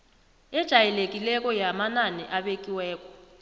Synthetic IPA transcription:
ɛd̥ʒ̥ʱajɛlekʼilɛk̬ʼɔjamananɛʔaɓekʼiwɛːkʼɔ̥

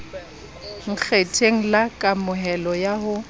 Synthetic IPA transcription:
ŋ̩k͡xʰetʰeŋ̩lakʼamʊɦɛlɔjaɦʊ

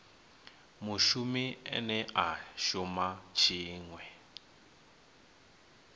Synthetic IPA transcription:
muʃumiɛ̰nɛʔaʃumat͡ʃʰiːŋwɛ

